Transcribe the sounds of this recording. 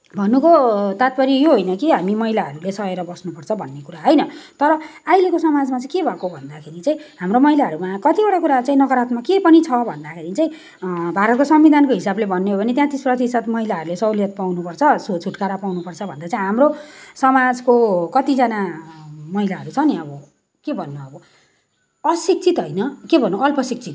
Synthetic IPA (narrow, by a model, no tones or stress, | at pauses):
bʱʌnːukot̪at̪̚pʌɾijoɦojnʌkiɦamimʌɦilaɦʌɾulesʌeɾʌbʌsnupʌrt͡sʰʌbʱʌnːekuɾaɦojnʌt̪ʌɾʌajlekosʌmad͡zmat͡saĩkebʱakobʱʌnd̪akʰeɾit͡saĩɦamromʌɦilaɦʌɾumakʌt̪ibʌʈakuɾat͡saĩnʌɡʌɾat̪makepʌnit͡sʰʌbʱʌnd̪akʰeɾit͡sãĩ | bʱaɾʌt̪̚kosʌmbid̪ʱankoɦisablebʱʌnːeɦobʌnet̪jãt̪isprʌt̪isʌt̪mʌɦilaɦʌɾulesʌwljʌt̪̚pawnupʌrt͡sʰʌsot͡sʰuʈkaɾapawnupʌrt͡sʰʌbʱʌnd̪at͡saĩɦamrosʌmad͡zkokʌt̪id͡zʌna | mʌɦilaʌɾut͡sʰʌniʌbʌ | kebʱʌnːuʌbʌ | ʌsik̚t͡sʰit̪ɦʌjnʌkebʱʌnːuʌlpʌsik̚t͡sʰit̪